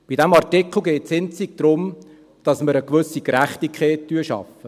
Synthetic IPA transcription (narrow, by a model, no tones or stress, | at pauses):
b̥idɛmɑrtɪkl̩ˠɡɛːtsɪnt͡siɡ̥̚d̪̥ɾʊm | d̥ɑsməɾəkʋɵsikɾæχtikχeːt̚tyːəʃɑ̰fə